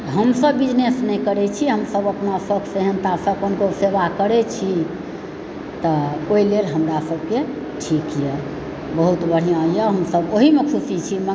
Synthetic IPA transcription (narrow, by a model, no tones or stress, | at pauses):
ɦəmsəbbid͡ʒnesnɛkəɾɛt͡ʃʰiɦəmsəbəpnasəkʰseɦənt̪asə̃konkoseʋakəɾɛt͡ʃʰi | t̪əoilelɦəmɾasəbke | ʈʰikjɛ | bəɦut̪bəɽ̤ijãjəɦəmsəboɦimekʰusit͡ʃʰimə